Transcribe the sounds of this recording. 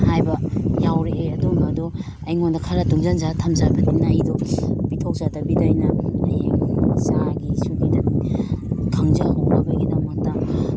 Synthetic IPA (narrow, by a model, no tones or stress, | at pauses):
hajbɐjawɾeʔːɐdumbɐdu | ɐjŋondɐkʰaɾɐduŋzanzatʰamzabɐninajdɔb̥itʰok̚zadɐbidajnɐɐ̰jŋsaɡisuɡidɐn | kʰaŋzɐhowɾabɐɡidɐmɐk̚tɐ